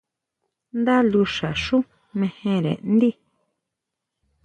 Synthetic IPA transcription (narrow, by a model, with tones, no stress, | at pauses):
nd̪a˦lu˧ʃa˨ʃũ˦ | mẽ˧hẽ˧ɾḛ˨n˦d̪i˦